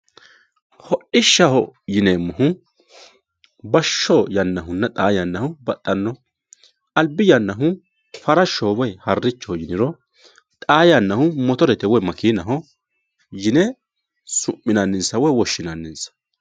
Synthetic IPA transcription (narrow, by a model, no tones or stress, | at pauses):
hɔʔɪʃːɐhɔjɪneːmːɔhʊ | bɐʃːɔjɐnːɐɦʊnːɐt̪ʼaːjɐnːɐhʊbɐt̪ʼːɐnːɔ | ʔɐlbɪjɐnːɐɦʊ | fɐɾɐʃːoːwɔjhɐrːɪt͡ʃːɔhɔjɪnɪɾɔ | t̪ʼaːjɐnːɐhʊmɔt̪ɔɾɛt̪ɛwɔjmɐkiːnɐɦɔ | jɪnɛ | sʊmːɪnɐnːɪnsɐwɔjwɔʃːɪnɐnːɪnsɐ̥